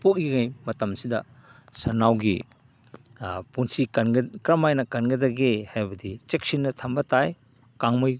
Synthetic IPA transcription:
pok̚iɡajmɐtɐmsidɐ | sɐnawɡḭ | punsiɡkɾɐmajnɐkɐnɡɐdaɡehajbɐdit͡ʃek̚sinːɐtʰɐmbɐtaj | kaŋmoj

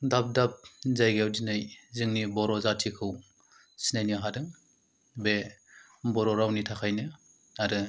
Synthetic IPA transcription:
dap̚dap̚zajɡewzinajzɯŋnibɔɾɔzatʰikʰɯw | sinajniaɦadɯŋ | be | bɔɾɔɾawnitʰakʰajnɯ | aɾɯ

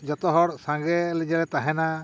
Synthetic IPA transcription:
d͡ʒɔt̪ɔɦɔɽsãŋɡɛlɛd͡ʒɛlɛt̪aɦɛna

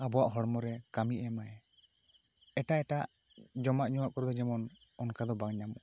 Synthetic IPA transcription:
abɔwaʔɦɔɽmɔɾɛkamiʔɛmaɛ | ɛʈaɛʈaʔ | d͡ʒɔmaʔɲɔwaʔkɔɾɔd̪ɔd͡ʒɛmɔn | ɔnkad̪ɔbaŋɲamɔʔ

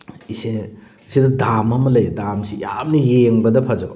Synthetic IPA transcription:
ise | sedɐdamɐmɐlɐjdamsijamnɐjeŋbɐdɐpʰɐzɐbɐ

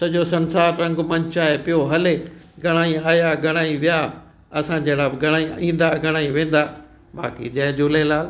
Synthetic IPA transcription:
sɐʄosɐ̃nsaːɾɾɐ̃ŋɡmɐ̃ɲt͡ɕaːepɪjoɦɐle | ɡʱɐɽ̃aːĩaːjaɡʱɐɽ̃aːĩʋɪja | ɐsãd͡ʑɐːɽabɪɡʱɐɽ̃aːĩĩːn̆d̪aɡʱɐɽ̃aːĩʋẽːn̆d̪aː | ba̰ːkḭd͡ʑɐːd͡ʑʊlelaːl

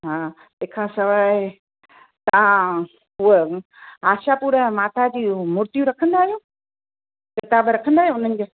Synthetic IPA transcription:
ɦaː | eːkʰãsɐʋaːɪ | t̪ɐʋ̤ã | ɦue | aːʃapuːɾə̃maːt̪ʰad͡ʑiːmʊɾt̪ijuɾɐkʰə̃nd̪aːɦijoː | kɪt̪aːbɾɐkʰə̃nd̪aːɦijoʊn̤ənɪ̆d͡ʑe

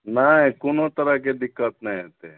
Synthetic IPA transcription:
naĩkonot̪əɾaked̪ɪkːət̪nɐĩɦet̪ẽ

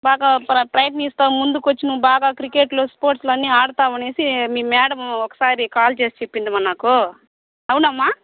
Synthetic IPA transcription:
baːɡaːpɐʈɾɐjʈniːst̪aːmund̪ukot͡ʃːinuʋubaːɡaːkɾike̞ːʈloːspoːɾʈslɐnːiaːɽut̪aːʋɐne̞ːsimiːmɛːɽɐmɔkɐ̥saːɾikaːlt͡ʃe̞ːst͡ʃe̞pːind̪imɐnːaːku | ɐwunɐmːaː

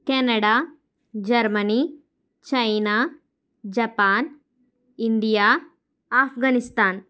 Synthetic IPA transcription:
kɛːnɐɽaː | d͡ʒɐɾmɐni | t͡ʃɐjnaː | d͡ʒɐpaːn | iɳɖijaː | aːfʰɡanist̪aːn

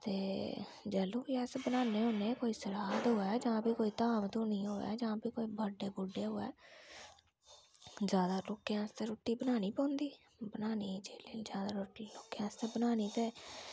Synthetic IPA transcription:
t̪eː | d͡ʒɛːlõːiɛːsbənaːneːɦoːneːkoːiːsəɾaːd̪ɦoːɛːd͡ʒãːpiːkoːiːt̪aːmt̪õːnĩːɦoːɛ̰ːd͡ʒãːpiːkoːiːbəɖeːbʊɖeːɦoːɛ̰ː | d͡ʒjaːd̪aːloːkːeãːst̪eːɾoːʈːiːbənaːniːpɔ̃ːnd̪iː | bənaːniːd͡ʒeːleːd͡ʒjaːd̪aːɾoʈiːloːkeãːst̪eːbənaːniːt̪eː

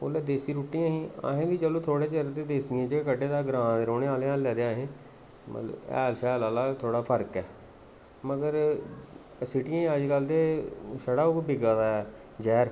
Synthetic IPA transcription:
o̰ːlɛːd̪eːsiːɾuːʈːiːãːɦĩːa̰ːɦẽːɡiːd͡ʒəloːt̪ʰoːɽeːt͡ʃəɾt̪eːd̪eːsiãːd͡ʒeːkəɖeːd̪aːɡɾãːd̪ɾoːɽeːaːleːaːlːɛːd̪eːãːɦẽː | m̰t̪lə̰bɛ̰ːlsɛːlaːlaːt̪ʰoːɽaːpʰəɾkɛː | məɡəɾ | sɪʈiːãːəd͡ʒɡəld̪eːʃəɽaːokbɪɡaːd̪aːɛː | d͡ʒɛːɾ

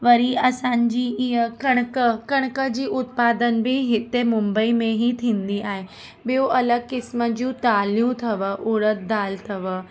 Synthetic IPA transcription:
ʋɐɾiɐsãːɲd͡ʑiːiɦəkɐ̃kəkɐɽ̃kəd͡ʑiːʔʊt̪̚paːd̪ənbʱiɦɪt̪emʊ̃mbəimẽɦit̪ʰĩːnd̪iaːɦe | bijoʔɐləɡ̚kɪsməd͡ʑũt̪aːlijũt̪ʰɐʋəʔʊːɽət̪̚d̪aːlt̪ʰɐʋə

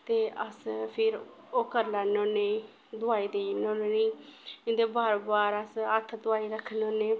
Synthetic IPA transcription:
t̪eːʔəspʰɪɾ | oːkəɾlaːnõːneː | d̪ʊaːiːd̪einõːneːniːɪ̃nd̪eːbaːɾbaːɾəsət̪ʰːd̪ʊaːiːɾəkʰnõːneː

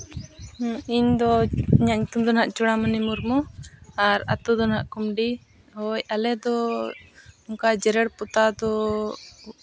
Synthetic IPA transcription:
iɲd̪ɔiɲaʔɲut̪umd̪ɔnɦaʔt͡ʃuɽamanimuɾmɔaɾa̰t̪ud̪ɔnɦaʔkumɖi | hɔjalɛd̪ɔ | ɔŋkad͡ʒɛɾɛɽpɔt̪ad̪ɔ

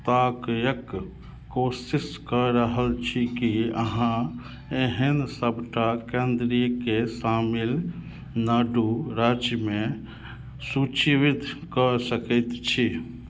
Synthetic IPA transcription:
t̪aːkjək | koːsiskəɾəɦəlt͡ʃʰikiə̰ɦã | eɦẽnsəbʈakẽːnd̪ɾijəkesaːmɪl | naːɖuɾaːd͡ʒjəmẽ | sut͡ʃiʋit̪kəsəkət̪t͡ʃʰi

